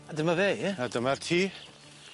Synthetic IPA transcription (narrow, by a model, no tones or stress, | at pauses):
adəmaveadəmɛrtʰiː